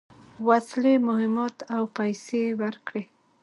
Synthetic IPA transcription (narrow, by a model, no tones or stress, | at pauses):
waslemʊhɪmɑt̪awpajsewaɾkɽe